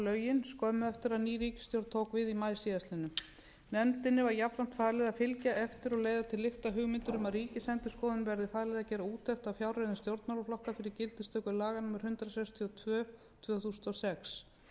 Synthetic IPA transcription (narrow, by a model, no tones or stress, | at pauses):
lœːɥjɪnskɔːmʏɛft̪ɪɾaðniːɾiːcɪ̥st̪jowɾt̪t̪ʰowkvɪðimaːjsiast̪lɪnːʏ | nɛmt̪ɪnːɪvaɾjapɾan̥t̪faːðlɛðafɪlcaʔɛft̪ɪɾɔɣleːjðat̪ʰɪlːɪxt̪aɦʏɣmɪnt̪ʏɾʏmaðriːcɪsɛnt̪ɪskɔːðʏnvɛɾðɪfaːðlɛðacɛːɾauːt̪ʰɛxt̪afjawrɛðɪnst̪jowɾt̪nmawlɔflɔhkafɪɾɪɾcɪlt̪ɪst̪œːkʏlaːɣanuːmɪɾ̥hʏnt̪ɾasɛkst̪ʰiɔt̪ʰvœː | t̪ʰvœːθusnt̪ɔsɛks